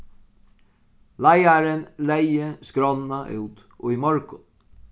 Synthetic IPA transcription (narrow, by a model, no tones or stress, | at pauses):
læɪɑɾənlæɪəskɾɑnɑʔʉ̰ːt̪ | ʔo̰ːiːmɑɹkʊ